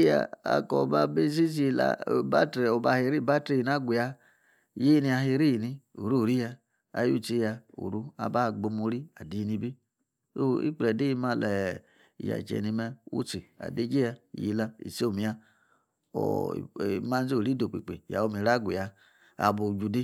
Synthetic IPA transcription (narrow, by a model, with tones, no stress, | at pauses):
ja̰˨a̰˨ko˨ba˧be˦s̬i˦s̬i˦˧la̰˨ba̰˦tɾe˨o˨ba˧˨he˨ɾi˦˨ba˦tɾe˦i˨na˦ɡʷu˨ja˧ | je˦ni˧a˧ɦi˧ɾi˦ji˨ni˧ṵ˨ɾu˦˨ɾi˦ja˧ | a̰˨jṵ˦t͡ʃi˦ja˧ṵ˨ɾu˦a̰˨ba˦˨ɡ͡bo˧mo˧˦ɾi˦a˨di˨i˧ni˧bi˦ | o˦ḭ˦k͡plɛ˨de˦i˦ma˧lɛ˨ | i˨ja̰˨t͡ʃɛ̰˨ni˧mɛ˧ṵ˦t͡si˨a̰˨de˦d͡ʒe˦a˧˨ji˨la˧ḭ˨se˦o˨mi˨ja˧ | ɔ̰˨ | ma˦n˦ze˦˨ɾi˦do˨k͡pḛ˨k͡pḛ˨ja̰˨o˦mi˨ɾa˦ɡʷṵ˨ja˧ | a̰˨bo˨d͡ʒu˧de˦